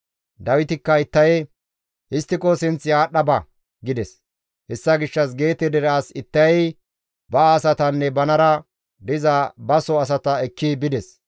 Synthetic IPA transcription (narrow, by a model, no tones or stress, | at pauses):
d̪ɐwɪt̪ɪkːɐɪt̪ːɐj | ʔɪst̪ːɪkɔsɪnt͡sɪjaːɗɐbɐ | ɡɪd̪ɛs | hɛsːɐɡɪʃːɐs̬ɡe̞ːt̪ɛd̪ɛɾaːsɪt̪ːɐj | bɐːsɐt̪ɐnːɛbɐnɐɾɐ | d̪ɪzɐbɐsɔɐs̬ɐt̪ɐɛkːɪbɪd̪ɛs